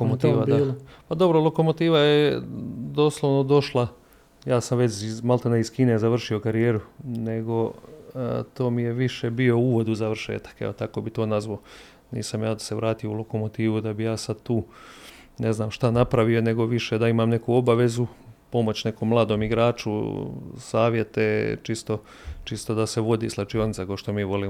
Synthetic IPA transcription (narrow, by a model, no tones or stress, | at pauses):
omot̪iːʋad̪apad̪o̞bɾolˠo̞ko̞mo̞t̪iːʋajed̪o̞ːslˠoʋno̞d̪o̞ʃlˠa | jaːsamʋe̞t͡ʃizmalˠt̪onaiz̥kiːnejzar̩ʃio̞kaɾijeːɾune̞ɡo̞ | t̪o̞ːmije̞ʋiʃe̞bio̞uːʋo̞d̪uzaʋr̩ʃḛːt̪ḁkḛot̪ako̞bit̪o̞ːnazʋao | nḭːsamjaːd̪aseʋɾaːt̪ijoulˠo̞ko̞mo̞t̪iːʋud̪abijaːsad̪̚t̪uː | neznaːmʃt̪anapɾaʋio̞ne̞ɡo̞ʋiʃe̞d̪aimaːmne̞kuo̞baʋe̞zupo̞mo̞t͡ɕne̞ko̞mːlˠaːd̪o̞ːmiɡɾaːt͡ʃṵ | saːʋje̞t̪et͡ʃist̪o̞ | t͡ʃist̪o̞d̪ase̞ʋo̞d̪iːslˠat͡ʃio̞nit̪akaoʃt̪o̞miːʋo̞liːm